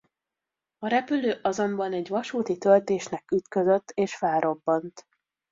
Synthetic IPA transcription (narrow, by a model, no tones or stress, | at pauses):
ɒɾɛpyløːʔɒzo̞mbɒnɛɟʋɒʃuːt̪it̪ølt̪eːʃnɛkyt̪køzøt̪ːeːʃfɛlɾo̞bːɒnt̪